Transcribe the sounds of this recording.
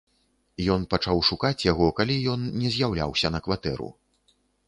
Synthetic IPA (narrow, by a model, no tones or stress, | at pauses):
jɔnpat͡ʂawʂukat͡sʲjaɣɔkalʲijɔnːʲɛzʲjawlʲa̰wsʲɐnɐkvat̪ɛ̰ɾṵ